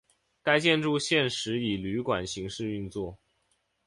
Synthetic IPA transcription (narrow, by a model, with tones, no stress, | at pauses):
ka˥ɪt͡ɕjɛ˥˧nʈ͡ʂu˥˧ɕjɛ˥˩nʂɻ̩˧˥i˨˩ly˧˥kwa˨˩nɕi˧˥ŋʂɻ̩˥˧y˥˧nt͡swɔ˥˩